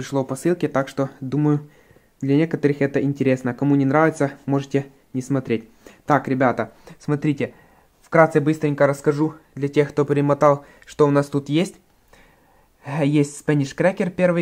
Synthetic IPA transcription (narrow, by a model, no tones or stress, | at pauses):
pɾʲɪʂlˠopɐsɨlˠkʲɪt̪akʂt̪od̪uməjʊ | d̪lʲɐnʲekət̪əɾɨxɛt̪əɪnʲtʲɪɾʲesnəkɐmunʲɪnɾavʲɪt̪səmo̞ʐɨtʲe | nʲɪsmɐt̪ɾʲet̚ʲ | t̪akɾʲɪbʲat̪əsmɐt̪ɾʲitʲɪ | fkɾat̪sɛbɨst̪ɾʲɪnʲkəɾəskɐʐud̪lʲɐtʲexkt̪opʲɾʲɪmɐt̪ɑlˠ | ʂt̪oʊnast̪ut̪jesʲtʲ | jesʲtʲspɛnʲɪʂkɾʲækʲɪrpʲe̞rvɨj